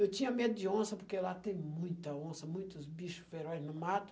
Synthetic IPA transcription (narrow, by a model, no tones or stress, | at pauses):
ewt̪ĩɲɐmed̪ʊd͡ʒ̪ɪõsɐpoɾkelat̪ẽj̃mũj̃t̪ɐõsɐmũj̃t̪ʊzbiʃʊ̥sfeɾɔjznʊmat̪ʊ̥